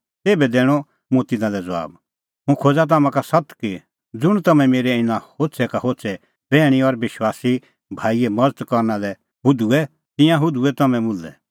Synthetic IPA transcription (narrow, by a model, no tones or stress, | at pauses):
t̪eːbɛd̪ɛːɽ̃ɔ | mũt̪ɪnãlɛd͡zɐa̰ːb | ɦũkʰoːd͡zat̪̬aːmãkasɐt̪ki | d͡zʊɽ̃t̪ɐmɛ̃meːɾɛɪnãhoːtsʰɛkaɦoːtsʰɛ | b̥ɛːɽ̃iɔɾʋɪʃwaːsi | bʱaːiɛmɐd͡zət̪kɔɾnalɛ | ɦʊd̪uɛ | t̪ɪ̃jãɦʊd̪uɛt̪ɐmɛ̃mʊlːɛ̰